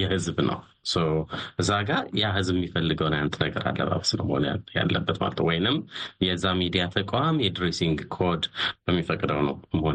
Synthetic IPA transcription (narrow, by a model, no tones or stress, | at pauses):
jɛhɨzbnə̰w | səwʔɨzːaɡajahɨzbɨmːifəlːɨɡəwnjant̪ʼnəɡəɾa̰lːə̰βa̰βsnə̰wməhonja̰lːə̰bːət̪ma̰lət̪ʰːəwɔjnɨmjɛzːamid̪ijat̪ʰəkʼʷamjɛd̪ɾesiŋɡkʰod̪b̥əmːifəkʼd̪əwnəwməhon